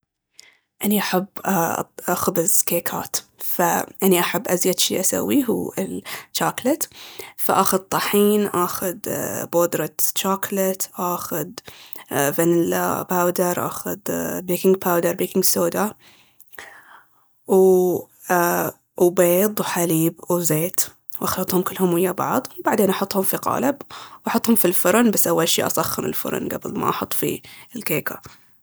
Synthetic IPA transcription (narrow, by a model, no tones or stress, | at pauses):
ʔaniʔaħabː | xʊbɪzkeːkʰa̰ːt̪faʔaniʔaħabːʔazjad̪ʃḭːʔasa̰wːiɦṵːɪlt͡ʃːaːklɪt̪fa̰ʔaːxʊd̪̚t̪ˤɑħiːnʔaːxʊd̪boːd̪ɾˤɑt͡ʃːaːklɪt̪ʔaːxʊd̪ | vanɪl̰pawd̪ɑɾˤʔa̰ːxʊ̰d̪beːkɪŋɡ̚pʰawd̪ɑɾˤbiːkɪŋɡsoːd̪a | w | a | beːd̪ˤwħaliːbwzeːt̪ | wʔɑxlɑt̪ˤhʊmkɪlːhʊmwɪjːabɑ̰ʕðˤwbaʕd̪eːnʔɑħʊt̪ˤːhʊmfiqɑ̰ːlɪbwʔɑħʊt̪ˤːhʊmfilfʊɾˤnbasːʔawːalʃḭːʔɑ̰sˤɑxːɪɾɪ̰lfʊ̰ɾ̰ˤnɡa̰bɪ̰lma̰ʔɑħʊt̪ˤːfḭlkeːkʰa̰